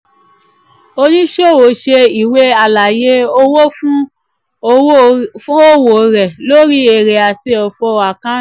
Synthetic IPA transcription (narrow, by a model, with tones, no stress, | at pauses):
o˧nĩ˦ʃo˦˨wo˨ʃe˧i˦˨we˦a˨la˨je˦o˦wo˦fũ˦ | o˧˦fũ˦o˦wo˨ɾɛ˨lo˦ɾi˦e˦˨ɾe˨a˨ti˧˦ɔ˨fɔ˧a˨kã˦